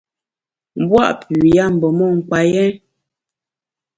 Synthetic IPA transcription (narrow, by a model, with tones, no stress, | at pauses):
m̩˦bwa̰˦ʔpʉ˨ja˦m̩˨bɔ˨mɔ˦˨ŋ̩˨k͡pa˨jɛ˦